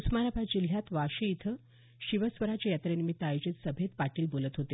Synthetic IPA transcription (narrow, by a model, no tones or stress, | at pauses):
usmanabʱad͡ʑil̤jat̪ʋaɕiit̪ʰə | ɕiʋəsʋəɾat͡ɕejat̪ɾenimit̪ːajod͡ʑit̪səbʱet̪paʈiːlbolət̪ɦot̪e